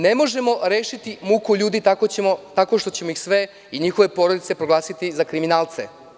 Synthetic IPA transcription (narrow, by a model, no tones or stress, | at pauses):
ne̞mo̞ʒe̞mo̞ɾeːʃit̪imukuʎuːd̪it̪akoot̪ako̞ʃt̪o̞t͡ɕemo̞ixsʋe̞ | iɲixo̞ʋe̞po̞ɾod̪it̪se̞pɾoɡlˠaːsit̪izakɾiminaːlt̪se̞̰